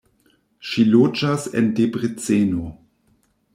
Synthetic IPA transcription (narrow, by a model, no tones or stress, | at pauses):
ʃilod͡ʒasḛndebʁet͡seno